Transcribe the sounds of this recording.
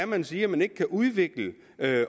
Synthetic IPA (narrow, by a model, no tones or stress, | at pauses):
æmænsiːæmæne̝ɡ̥əkʰæʔuð̞ˠʋe̝ɡ̥lə | ø